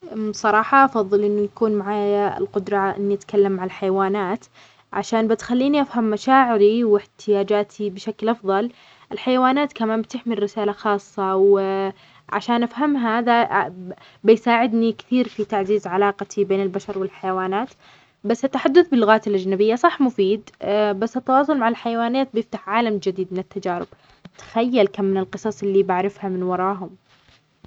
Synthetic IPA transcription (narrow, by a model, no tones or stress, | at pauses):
sˤɑɾˤɑːħɑʔɑfɑðˤːɨlʔɪnːʊjakuːnmaʕaːjjaɪ̰lqʊd̪ɾˤɑʔɪ̰nːiʔat̪kalːamːaʕalħajawaːnaːt̪ | ʕaʃaːnbɪt̪xalːiːniʔafhamːaʃaːʕɪɾiwɪħt̪ʰɪjaːd͡ʒaːt̪ʰibɪʃaklʔɑfðˤɑl | ʔɪlħajawaːnaːt̪kamaːmbɪt̪ɪħmilːɪsaːlaxɑːsˤːɑw | ʕa̰ʃaːnʔafhamɦaða | bɪjsaːʕɪd̪nikθiːɾfit̪aʕziːzʕalɑːqat̪ʰibeːnɪlbaʃɑɾˤwɪlħajawaːnaːt̪ | basːɪt̪ːaħad̪ːʊθbɪlːʊɣaːt̪ɪlʔad͡ʒnabɪjːasˤɑħmʊfiːd̪basːɪt̪ːɑwɑːsˤʊlmaʕalħajawaːnaːt̪̚bjɪft̪aħʕaːlamd͡ʒɪd̪iːd̪mɪnɪt̪ːad͡ʒaːɾɪ̰b̥ | t̪ḁxajːalkamːɪnɪlqɨsˤɑsˤʔɪlːibaʕɾɪfhamɪnwɑɾˤɑːɦʊm